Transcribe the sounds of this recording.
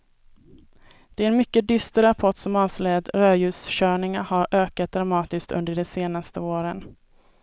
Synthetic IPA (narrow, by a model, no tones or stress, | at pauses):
d̪̥ɛæɾɛnmʏkːəd̪ʏst̪əɾapʰɔʈsɔmɑːvslɛd̪ɾøːjʉ̟ːsɕœːɳɪŋaɾhaɾʔøːkat̪̚d̪ɾamɑːt̪ɪst̪ɵ̰nd̪əɖɛseːnast̪əoːɾən